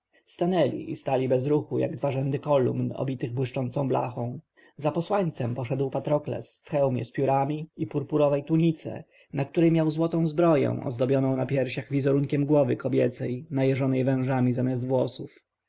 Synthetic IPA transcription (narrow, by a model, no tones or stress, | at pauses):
st̪anɛlʲḭʔist̪alʲibɛzɾuxuja̰ɡd̪vaʐɛnd̪ɘkɔlṵmnɔ̰bʲit̪ɘɣbwɘʂt͡ʂɔnt̪sɔ̃w̃bla̰xɔ̃w̃ | zapɔswaɲt̪sɛmpɔʂɛd̪wpat̪ɾɔklɛ̰sfxɛwmʲjɛ̰spʲjuɾamʲiipuɾpuɾɔvɛjt̪uɲit̪sɛ̰ | nakt̪uɾɛjmʲjawzwɔt̪ɔ̃w̃zbɾɔjɛ̰̃w̃ʔɔ̰zd̪ɔbʲjɔnɔ̃w̃napʲjɛɾɕaɣvʲizɔɾuŋkʲɛmɡwɔvɘkɔbʲjɛt̪sɛjnajɛʐɔnɛjvɛ̃ʐamʲizamʲjas̬d̪vwɔsuf